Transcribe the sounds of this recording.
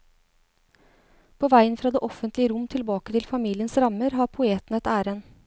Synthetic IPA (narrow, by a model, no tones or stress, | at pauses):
pʰoːʋæɪənfɾɑːd̪eːʔɔfənt̪lɪəɾʊmt̪ʰɪlbɑːkət̪ʰɪlfɑmiːlɪənsɾɑməɾɦɑɾpʰʊeːt̪nɛt̪æːɾən